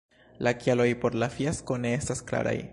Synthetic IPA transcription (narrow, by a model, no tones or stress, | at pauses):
lakjalo̞jpo̞ɾlafjasko̞ne̞estaskla̰ɾa̰j